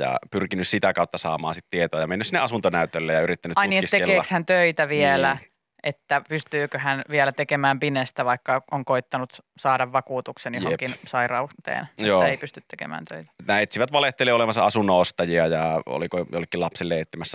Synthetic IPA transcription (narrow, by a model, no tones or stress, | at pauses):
jɑ̰pyrkinyssit̪ækɑˑut̪ːɑsɑ̰ːmɑ̰ːnsit̪t̪iet̪oɑjɑmenːysinːeʔɑsunt̪onæyt̪ølːejjɑyrit̪ːænyt̪ɑinietiseekeːɑkshænt̪øit̪æʋiɛlæ | ʔet̪ːæpyst̪yːkøhænʋiɛlæt̪ekemæːmpinest̪æʋɑikːɑoŋkoit̪ːɑnut̪sɑːdɑʋʋɑkuːt̪uksenjoekinsɑirɑut̪ḛːnjoːeipyst̪yt̪t̪ekḛmæ̰ːnt̪ø̰it̪æ̥næet̪siʋæt̪ʋɑleht̪eleːolemɑnsɑɑsunːoost̪ɑjiɑjɑo̰likojo̰lːekːilɑpselːeet̪ːimæsːæ